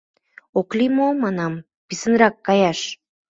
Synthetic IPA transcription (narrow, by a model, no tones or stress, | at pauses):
oklimomɑnɑm | pisə̆nɾɑkːɑjɑʃ